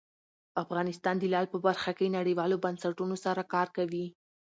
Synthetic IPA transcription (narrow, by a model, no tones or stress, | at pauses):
afɣɑnɪst̪ɑnd̪əlɑlpəbaɾxakenaɽəjwɑlobansaʈunosaɾakɑɾkawi